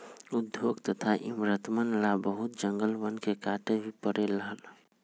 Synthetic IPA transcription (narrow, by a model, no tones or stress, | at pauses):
ʊd̪joɡt̪ət̪ʰaʔimɾət̪mənlabəɦut̪̚d͡ʒəŋɡəlʋənkekaʈebʱipəɾeləɦəl